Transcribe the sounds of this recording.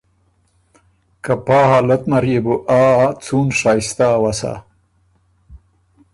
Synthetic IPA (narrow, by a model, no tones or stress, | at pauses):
kapaːɦaːlɐt̪mɐɾjebuʔaːt͡suːnʂaːist̪awasa̰